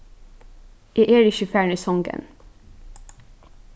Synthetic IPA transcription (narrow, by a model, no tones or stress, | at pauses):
ʔiːʔeːɹɪʃʉfæːɳəsɔŋɡə̰n